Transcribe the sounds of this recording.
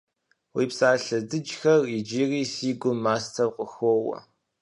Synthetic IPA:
wiːpsaːɬɐdɨd͡ʒxɐrid͡ʒiːriːsiːɡʷʊmːaːstʰɐwqʷʼəxʷɔwɐ̰

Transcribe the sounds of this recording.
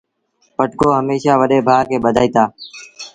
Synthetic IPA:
pəʈkoːɦəmeːʃaːʋəɗeːbʱaːkeːɓəd̪ʱaːiːt̪aː

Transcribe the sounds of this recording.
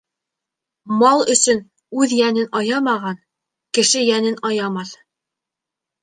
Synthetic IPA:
mɑlˠɵ̆sɵn | ʉðjænɘnɑjɑmɑʁɑn | kɘ̆ʃɘjænɘnɑjɑmɑθ

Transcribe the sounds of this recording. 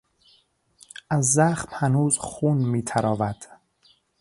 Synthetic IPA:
æzːæxmhænuːzxuːnmiːt̪ʰæɾɒːvæd̪̥

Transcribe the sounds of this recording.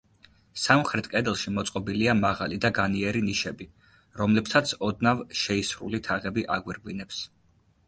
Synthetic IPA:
samχɾɛt̪ʰkʼɛd̪ɛlˠʃimɔt̪sʼqʼɔbiliamaʁalid̪aɡaniɛɾiniʃɛbi | ɾɔmlɛpsat̪sʰɔd̪navʃɛisɾṵlit̪ʰaʁɛbiʔa̰ɡwiɾɡwinɛps

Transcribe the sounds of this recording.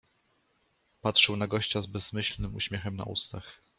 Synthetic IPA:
patʂɛwnaɡɔɕt͡ɕazbɛzmɘɕlnɘmṵɕmʲjɛxɛmna̰ʔṵst̪ax

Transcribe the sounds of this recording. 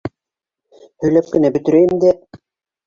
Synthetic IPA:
hɵ̆jlæp̚kɘ̆næbɵ̆t̪ɘ̆ɾæjɘmd̪æ

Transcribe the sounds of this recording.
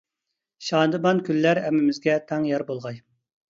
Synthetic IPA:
ʃɑːnd̪ɨbɑnkʲʰylːæɾɛmːɪmɪzɡʲɛt̪ʰɛŋjɑɾbolˠʁɑj

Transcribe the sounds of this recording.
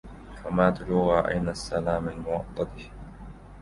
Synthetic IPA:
famaːt̪ʊluːɣaʔa̰jnasːalaːmalmʊɑt̪ˤːɑd̪ɪh

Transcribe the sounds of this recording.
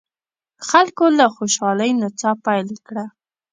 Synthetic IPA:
xalkolaxoʃɑləjnat͡sɑpajlkɽa

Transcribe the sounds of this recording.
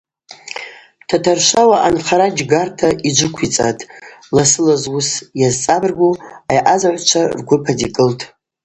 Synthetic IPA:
tʰatʰarʃʷawaʔanχaɾad͡ʒɡartʰaʔid͡ʒʷɨkʷʰit͡sʼa̰tʼlasɨlazwʊsjazt͡sʼabrɡʷuajʔazaʕʷt͡ʃʷʰarɡʷʊpʰadikʼɨltʼ

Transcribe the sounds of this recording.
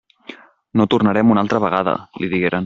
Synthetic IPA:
not̪urnəɾɛmunalˠt̪ɾəβəɣ̞aðə̰liðiɣeɾən

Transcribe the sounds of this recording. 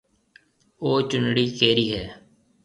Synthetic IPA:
oːt͡ʃʊnɽiːkeːɾiːɦɛː

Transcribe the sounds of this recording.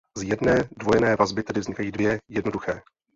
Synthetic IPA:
zjɛdnɛːdvojɛnɛːvazbɪt̪ɛdɪvzɲɪkajiːdvjɛjɛdno̞duxɛː

